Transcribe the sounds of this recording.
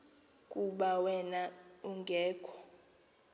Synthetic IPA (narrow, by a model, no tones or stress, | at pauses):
kʼuɓawɛnauŋɡʱɛːkʰɔ̥